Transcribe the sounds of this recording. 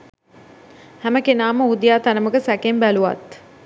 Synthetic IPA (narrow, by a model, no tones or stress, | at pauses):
hæməkenaːməud̪ijaːt̪anəməkəsækembæluʋa̰t̪